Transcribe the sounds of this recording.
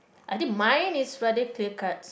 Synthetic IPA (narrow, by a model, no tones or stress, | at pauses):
ʔajt̪ĩŋmãjnisɹadəkliəkat̚